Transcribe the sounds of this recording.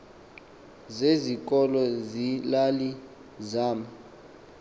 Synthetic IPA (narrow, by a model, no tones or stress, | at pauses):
zezik̬ʼɔlɔzilali | zaːma